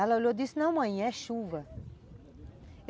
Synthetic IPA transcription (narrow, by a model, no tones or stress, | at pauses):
ɛlɐoʎowd̪isɪnɐ̃w̃mɐ̃ɛʃuvɐ